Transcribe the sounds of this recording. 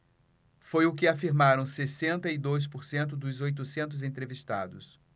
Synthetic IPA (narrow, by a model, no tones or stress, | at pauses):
fojʊkɪafiɾmaɾɐ̃w̃sesẽnt̪ɐid̪ojs̬poɾsẽnt̪ʊd̪ʊzojt̪ʊsẽnt̪̬ʊzẽt̪ɾevist̪a̰d̪ʊs